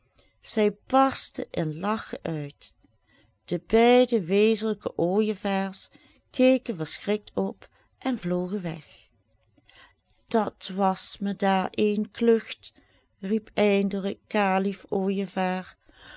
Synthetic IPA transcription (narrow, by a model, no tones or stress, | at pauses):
z̥ɛjbɑɹstə̰ʔɪnlɑxəʔœɥt | d̥əbɛjdəʋeːzələkəʔoːjəvaːɹs | kejkənvəɹsxrɪk̚tɔp | ʔɛnvloːɣəʋɛ̰x | d̥ɑtʋɑsmədaːɹʔejnklɵxt | ripɛjndələkaːɹlifoːjəvaːɹ